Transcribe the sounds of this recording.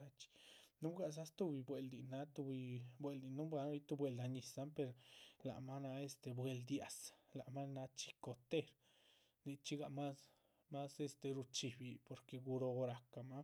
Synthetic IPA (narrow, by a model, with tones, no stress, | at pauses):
a˧t͡ʃi̥˧nu˦bɡa˧˨s̬a˦st̪u˦˧bi˧bwe˧ld̪i˨na˧˦t̪u˧bi˧bwe˧˨ld̪i˨nu˦bʷa˧˦i˦t̪u˧bwe˨ld̪a˧ɲi˨sa˦mpe˧ɾla̰˨ma˦na˧e˧st̪e˧bwe˧ld̪ja˨sla˨ma˦na˧t͡ʃi̥˧ko˨t̪e˦ɾ | ni˧t͡ʃi˦ɡa˧ma˦s | ma˦se˦˧st̪e˨ɾu˧t͡ʃi˨bi˧po˨ɾke˧ɡu˧ɾo˧ɾa˨ka˨ma˦